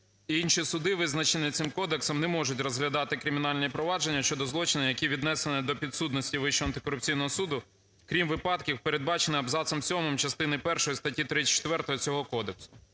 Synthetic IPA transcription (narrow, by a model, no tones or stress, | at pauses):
iinʃisʊd̪ɪʋɪznɐt͡ʃenʲit̪sɪmkɔd̪eksɔmnɛmɔʒʊtʲrɔzɦlʲɐd̪ɑt̪ɪkɾɪmʲɪn̪ɑlʲnʲipɾɔʋɑd͡ʒe̞nʲːɐʃt͡ʃɔd̪ɔzlˠɔt͡ʃɪnɪjɐkʲiʋʲid̪nɛsenɪd̪ɔpʲid̪sut̪nɔsʲtʲiʋɪʃɔɐnt̪ɪ̥kɔɾʊp̚t͡sʲijnɔɦɔsud̪ʊ | kɾʲimʋɪpɑt̪kʲiwpeɾe̞d̪̚bɑt͡ʃenɪɐbzɑt̪sɐmsʲɔmɪmt͡ʃɐst̪ɪnɪpɛrʃɔjist̪ɐtʲit̪ɾɪt͡ʃːe̥t̪ʋɛrt̪ɔɦɔt͡sʲɔɦɔkɔd̪eksʊ̥